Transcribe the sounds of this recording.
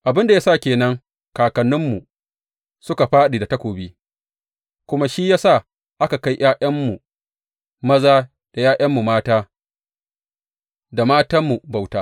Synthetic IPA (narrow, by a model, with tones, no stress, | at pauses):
ʔa˨bɪ˦nda˨jaː˦sa˦˨kʲeː˨nɐ˦ŋ | kaː˨kɐ˨nːʊ˦mːu˨ | sʊ˦ka˨ɸaː˦ɗiː˨da˨tɐ˦kʷoː˨biː˦ | kʷʊ˦ma˦ʃi˦jaː˦sa˦˨ | ʔa˦ka˨ka˦jj̰ʔaː˦ʔɐ˦mːu˨ | mɐ˦zaː˦ | d̥a˨jaː˦jʔɐ˦mːu˨maː˦taː˦ | da˨maː˦ta˦mːu˨ba˨wtaː˦